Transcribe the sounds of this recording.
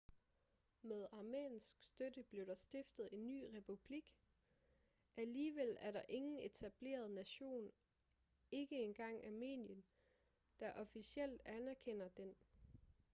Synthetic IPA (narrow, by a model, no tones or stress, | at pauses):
með̞ˠɑ̈ːmḛːnsɡ̥sd̥ødəb̥le̝ʊdɑ̈sd̥e̝fd̥ð̞̩ˠe̝nːy̰ːʁɛpʰub̥liɡ̥ | ʔæliːʋel̰æɐɾɑ̈ʔe̝ŋn̩e̝t͡sʰæb̥le̝̰ːɐð̞ˠnæɕo̝̰ːn | e̝ɡ̥əe̝nɡ̥ɑ̈ŋ̰ɑme̝̰ːnjən | d̥ɑ̈ʔɒ̽fisiel̰d̥ænæɐkʰen̰ɐd̥en